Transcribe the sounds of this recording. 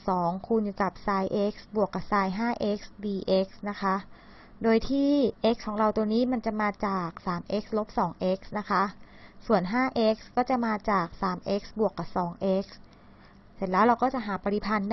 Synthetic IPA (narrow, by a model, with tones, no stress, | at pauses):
sɔː˩˦ŋkʰu˧njuː˧˩ka˨˩p̚saː˧jʔe˦˥k̚sbu˨˩əkːa˨˩p̚saː˧jɦaː˥˩ʔe˦˥k̚sdiː˧ʔe˦˥k̚sna˦˥kʰa˦˥ | doː˧jt̪ʰiː˥˩ʔe˦˥k̚kʰɔː˩˦ŋɾa˧wt̪u˧ŋniː˦˥ma˧nt͡ɕa˨˩maː˧t͡ɕaː˨˩k̚saː˩˦mʔe˦˥k̚slo˦˥p̚sɔː˩˦ŋʔe˦˥k̚sna˦˥kʰa˦˥ | su˨˩ənɦaː˥˩ʔe˦˥k̚skɔː˥˩t͡ɕa˨˩maː˧t͡ɕaː˨˩k̚saː˩˦mʔe˦˥k̚sbu˨˩əkːa˨˩p̚sɔː˩˦ŋʔe˦˥k̚s | se˨˩˦nlɛː˦˥wɾa˧wkɔː˥˩t͡ɕa˨˩ʔɦaː˩˦pa˧ɾi˧˩pʰa˧nda˥